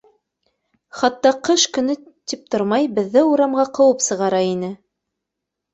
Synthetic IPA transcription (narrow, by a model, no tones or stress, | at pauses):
χɑt̪ːɑqɤʃkɵ̆nɘ | t̪ip̚t̪oɾmɑjbɘ̆ðːɘuɾɑmʁɑqɤ̆wɤpsɤ̆ʁɑɾɑinɘ